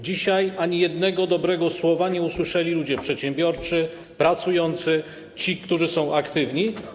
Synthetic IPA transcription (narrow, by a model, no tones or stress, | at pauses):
d͡ʑiɕajaɲijɛd̪nɛɡɔd̪ɔbɾɛɡɔswɔvaɲɛuswɘʂɛlʲilud͡ʑɛpʂɛt̪ɕɛ̃mbʲjɔɾt͡ʂɘ | pɾat̪sujɔnt̪sɘ | t͡ɕikt̪uʐɘsɔ̃w̃ʔakt̪ɘvɲi